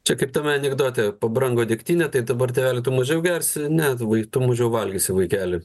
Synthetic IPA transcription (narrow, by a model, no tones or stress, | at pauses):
t͡ʃʲɛkɐɪp̚t̪ɐmʲɛɐnʲɛɡd̪oːt̪ʲɛpɐbɾɐŋɡoːd̪ʲɪkt̪ʲiːnʲɛt̪ɐɪd̪ɐbɐrt̪ʲɛːʋʲæːlʲɪt̪ʊmɐʒʲɛʊɡʲɛrʲsʲɪnʲɛʋɐɪt̪ʊmɐʒʲɛʊʋɐlʲɡʲɪsʲɪʋɐɪkʲæːlʲɪ